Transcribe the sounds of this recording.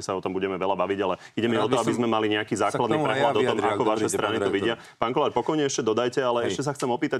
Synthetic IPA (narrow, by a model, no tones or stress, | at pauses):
ɛsaɔt̪ɔmbuɟɛmɛʋɛlabaʋiɟalɛ | iɟɛmiɔt̪ɔabizmɛmaliɲɛakiːzaːklad̪nipɾɛklad̪ɔt̪ɔmakɔʋaʃɛsɾaːnit̪ɔʋiɟɪa | paːŋkɔlaːɾpɔkɔjɲɛɛʃcɛd̪ɔd̪ajcɛalɛɛʃcɛs̬axt͡sɛmɔpiːt̪a